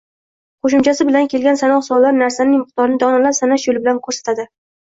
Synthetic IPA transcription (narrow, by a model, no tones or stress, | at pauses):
qʰoʃ̬ɪmt͡ʃʰasɪbɪlankʲe̞lɡʲansanɒχsɒlːaɾnaɾsanɪŋmɪɨq̚t̪ʰɒɾɪnɪd̪ɒnalasanaʃjolˠɪbɪlankʰoɾsḁt̪ʰad̪ɪ